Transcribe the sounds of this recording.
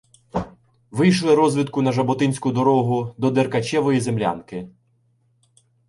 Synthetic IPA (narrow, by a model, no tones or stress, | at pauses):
ʋɪjʃlˠɪɾɔzʲʋʲit̪̚kʊnɐʒɐbɔt̪ɪnʲsʲkʊd̪ɔɾɔɦʊd̪ɔd̪erkɐt͡ʃɛʋɔjizemlʲa̰nkɪ